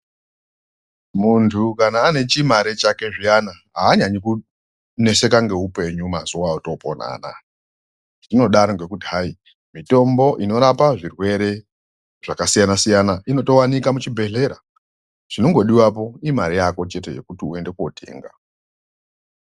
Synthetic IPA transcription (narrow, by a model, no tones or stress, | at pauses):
muntʰukanaːne̞t͡ʃimaɾet͡ʃake̞ʐijanaɦa̰ːɲaɲiku | ne̞se̞kaŋɡe̞upe̞ɲumazuwaoto̞po̰na̰ːna̰ | dino̞ɗaɾoŋɡe̞kutiɦai | mito̞mbo̞ʔino̞ɾapaʐirwe̞ɾe̞ | ʐ̥akasijanasijanaʔino̞to̞wanikamut͡ʃibʱe̞ɮe̞ɾa | ʐ̥ino̞ŋɡo̞ɗiwapo̞imaɾijako̞t͡ʃe̞te̞je̞̰kutiue̞nde̞kotʰḛːŋɡa̰